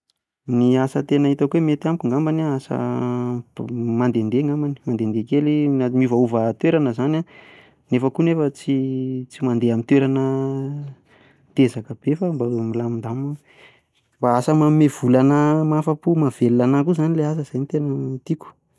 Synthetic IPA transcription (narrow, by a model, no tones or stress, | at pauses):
niasət̪enəit̪akwemet̪iamkuŋɡambanaasə̰ | mand̪end̪eŋɡambani̥mand̪end̪ekeliamuvauvət̪weɾanəzana | nefəkunefət͡sit͡simand̪eamint̪weɾanə | t̪ezakəb̥efəmbamilamind̪amu | mbaasəmamev̥ulanamafəpumav̥elːanakuzanileasəz̥ajnit̪enəit̪iku̥